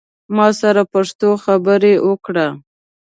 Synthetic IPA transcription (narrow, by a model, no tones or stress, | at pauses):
mɑsaɾapaʂt̪oxabəɾewəkɽa